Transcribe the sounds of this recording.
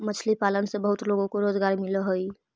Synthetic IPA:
mət͡ʃʰlipalənsebəɦut̪loɡõkoɾoːd͡ʒɡaɾmiləɦoi

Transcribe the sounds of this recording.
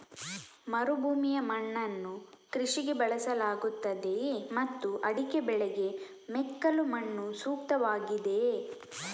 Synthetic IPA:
mɐɾubʱuːmijɐmɐɳːɐnːu | kɾiʂiɡebɐɭɐsɐlaːɡut̪ːɐd̪e̞mɐt̪ːuʔɐɽikebɛɭɛɡe̞ | mɛkːɐlumɐɳːusuːk̚t̪ɐʋaːɡid̪e̞

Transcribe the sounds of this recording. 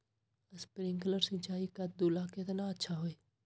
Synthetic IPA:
əspɾɪ̃ŋkələɾsɪ̃t͡ʃaːikad̪uːlakɪt̪naətːʃʰaɦoːeː

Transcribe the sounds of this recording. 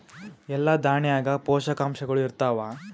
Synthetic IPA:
ɛlːɐd̪aːɳjaːɡɐpɔːʃɐkaːmʃɐɡɐɭuiɾt̪aːʋaː

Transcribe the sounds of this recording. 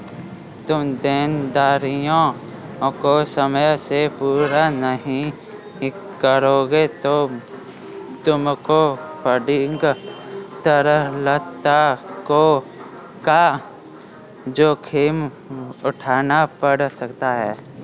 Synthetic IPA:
t̪ʊmd̪eːnd̪aːɾijõ | kosəməjsepuːɾanəɦĩ | kəɾoɡet̪o | t̪ʊmkopəɖɪŋɡ | t̪əɾəɦlət̪ako | ka | d͡ʒoːkʰeːm | ʊʈʰaːnapəɽsəkt̪aɦɛː

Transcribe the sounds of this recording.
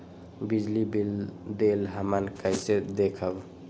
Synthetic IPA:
bid͡ʒlibild̪elɦəmənkəjsed̪ekʰəb

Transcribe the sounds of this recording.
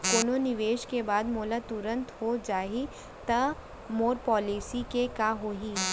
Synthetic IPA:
koːnonɪʋeːʃkebaːd̪moːlat̪ʊɾə̃nt̪ɦod͡ʒaːɦi | t̪ɐ | moːɾpɔːliːsikekaɦoːɦiː

